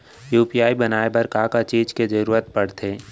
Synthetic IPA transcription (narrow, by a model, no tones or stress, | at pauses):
juːpijaːibɐnaːebəɾkaːkat͡ʃiːd͡ʒked͡ʒəɾuːɾət̪̚pɐɽt̪ʰeː